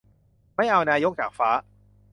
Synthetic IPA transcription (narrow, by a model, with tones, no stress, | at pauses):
ma˥˩jʔa˧wnaː˧jo˥˩k̚t͡ɕaː˨˩k̚faː˦˥